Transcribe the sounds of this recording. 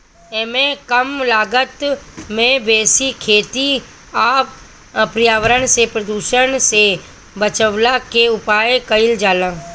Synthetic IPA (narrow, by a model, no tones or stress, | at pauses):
eːmẽkəmlaːɡət̪mẽbeːsikʰeːt̪i | aː | pɾijaːʋəɾənsepɾəd̪uːʃəñse | bət͡ʃəʋlakeʊpaːjkəɪld͡ʒaːlãː